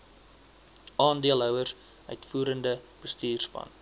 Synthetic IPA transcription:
ɑːndiəlˠɦœwərs | œɥtfuːɾəndəb̥əstiːrspɐ̰n

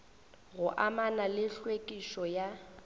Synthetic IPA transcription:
ɣʊʔamanalɪɬwekʼiʃɔja

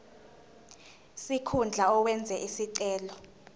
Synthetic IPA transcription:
sikʰund͡ɮʱaɔwɛnd͡zʱɛʔisiǀɛːlɔ

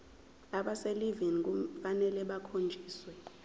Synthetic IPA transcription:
aɓaselivink̬ʼufanɛlɛɓakʰond͡ʒʱiːswɛ

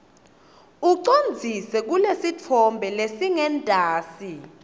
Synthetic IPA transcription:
uǀond͡zʱisɛk̬ulesit͡fʰɔmbʱɛlesiŋɛntʼaːsi

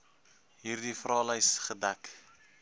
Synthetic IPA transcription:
ɦiɾd̪ifɾɑːlajsχəd̪ak

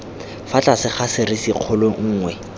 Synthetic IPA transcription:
fat͡ɬʼasɪχasɪrisiq͡χʰʊleŋ̩ːŋwɛ

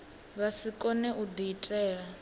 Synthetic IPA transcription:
βasikʼɔnɛʔud̪iːtʼɛːɺa

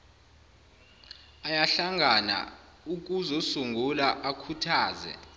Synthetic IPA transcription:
ajaɬaŋʱana̰ | uk̬ʼuzɔsuŋɡʱulaʔakʰutʰaːzɛ̰

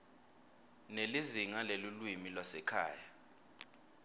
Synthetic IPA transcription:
neliziŋalelulwimilwasɛkʰa̰ːja

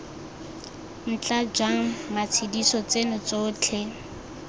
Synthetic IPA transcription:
n̩t͡ɬʼad͡ʒwaŋ̩mat͡sʰidisɔt͡senʊt͡soːt͡ɬʰɛ

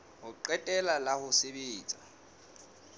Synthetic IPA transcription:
hʊǃɛtʼɛlalahʊsebeːt͡sʼa

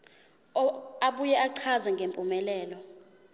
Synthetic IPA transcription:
aɓujɛʔaǀʰazɛŋɡʱempʼumɛlɛːlɔ

